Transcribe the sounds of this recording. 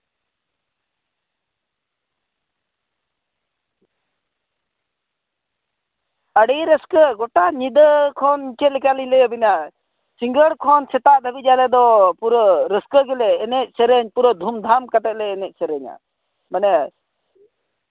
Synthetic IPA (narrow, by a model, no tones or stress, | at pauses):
əɽijɾəskəɡɔʈaɲid̪əkʰɔniɲt͡ʃɛt̪̚lɛkaliɲlɛəbina | siŋɡəɽkʰɔnt͡ʃʰɛt̪aʔd̪ʱəbid͡ʒalɛd̪ɔpuɾəɾəskəɡɛlɛːnɛt̪̚sʰɛɾəɲpuɾəd̪ʱumd̪ʱamkat̪ɛt̪̚lɛːnɛʔ̚sʰɛɾəɲa̰ | manɛ